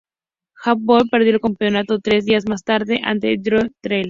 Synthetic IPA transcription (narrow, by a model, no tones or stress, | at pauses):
xap̚bolpeɾðjoelkampeo̞nat̪ot̪ɾe̞zðiazmast̪aɾðeʔa̰nt̪ed̪ɾot̪ɾejlɾ